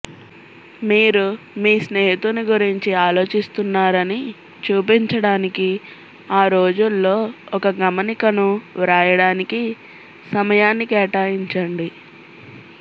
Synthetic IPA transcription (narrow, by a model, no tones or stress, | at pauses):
miːɾu | miːsneːɦit̪uniɡuɾiɲt͡ʃiaːlo̞ːt͡ʃist̪unːaːɾɐni | t͡ʃuːpiɲt͡ʃɐɽaːniki | aːɾoːd͡ʒulːo̞ːɔkɐɡɐmɐnikɐnuɾaːjɐɽaːniki | sɐmɐjaːnːikɛːʈaːjiɲt͡ʃɐɳɖi